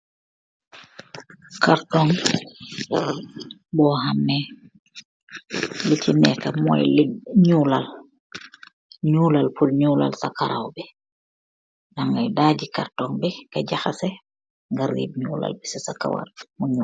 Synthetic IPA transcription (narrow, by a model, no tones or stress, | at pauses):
kaɾtɔŋ | bɔhamːɛ | lit͡ʃinɛkamɔ̰jliɲulal | ɲuːlalfulɲuːla̰lsakaɾa̰wbɛ | naŋɡajdaːɟikaɾtɔŋbɛkaɟaxasɛ | ŋɡaɾḭːbɲuːla̰lbɛsasaka̰wa̰ɾmuɲu